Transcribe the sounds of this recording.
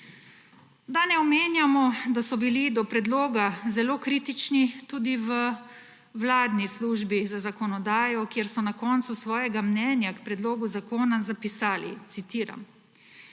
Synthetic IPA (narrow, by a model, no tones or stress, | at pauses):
d̪anɛɔmeːnjamɔd̪asɔbilid̪ɔpɾɛd̪loːɡazɛloːkɾiːt̪it͡ʃnit̪uːd̪iʋə | wlaːd̪nisluːʒbizazakɔnɔd̪aːjɔkjeɾsɔnakɔːnt̪susʋɔːjɛɡamnɛːnjakpɾɛd̪loːɡuzakoːnazapisaːlḭt̪sit̪iːɾa̰m